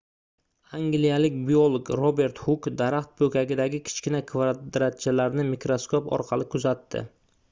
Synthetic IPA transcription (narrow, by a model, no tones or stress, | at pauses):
aŋɡlijalɪkʲbiolˠokɾobe̞ɾt̪hʊkd̪aɾaχt̪̚bɵkʲaɡʲɪd̪aɡʲɪkʲʰɪ̥t͡ʃkʲɪnakʰvad̪ɾat̪̚t͡ʃʰalaɾnɪmikɾo̞skopɒ̰ɾqʰɑlɪkʰʊzat̪ʰːɪ̰